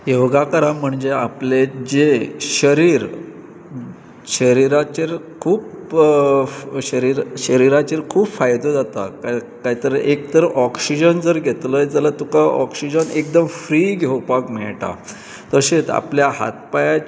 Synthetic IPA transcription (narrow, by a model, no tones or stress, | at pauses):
jewɡakəɾãm̤əɳd͡ʑeapled͡ʑeɕəɾiːɾ | ɕəɾiɾat͡ɕeɾkʰuːp | ɕəɾiɾɕəɾiɾat͡ɕeɾkʰuːpfajd̪əd͡zat̪a̰ka | kaɦit̪əɾekt̪əɾʔɔksid͡ʑənd͡zəɾɡʱet̪ləed͡zalat̪ukaʔɔksid͡ʑənek̚d̪əmfɾiːɡʱewpakmɛɭʈa̰ | t̪əɕet͡s̪a̰pljaɦa̰t̪̚paja